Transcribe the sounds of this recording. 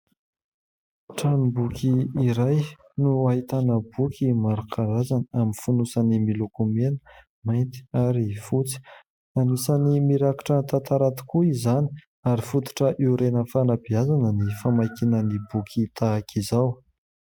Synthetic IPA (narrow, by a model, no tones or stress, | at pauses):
ʈ͡ʂanibukʲʰiːɾaj | nuaɦit̪anəbukʲʰimaɾakʰaɾazanaminfunusanimilukumenə̥ | majnt̪i̥aɾifut͡si̥ | anisanimiɾaki̥ʈ͡ʂət̪at̪aɾat̪i̥kuizani̥ | aɾifut̪u̥ʈ͡ʂəʔeuɾenəfanabiazanənifamajkinənibukʰʲit̪ʰaakʰizaw